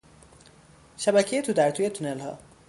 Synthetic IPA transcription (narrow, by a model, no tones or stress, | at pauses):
ʃabakʰijet̪ʰud̪aɾt̪ʰujet̪ʰunelɦɔ̰